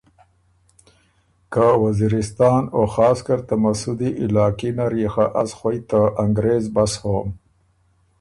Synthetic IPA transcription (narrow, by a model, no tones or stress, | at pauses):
kawaziɾɪst̪ɑːnoxɑːskaɾt̪amasud̪iʔɪlɑːkinaɾixaʔasxojt̪əʔaŋɡɾezbashoːm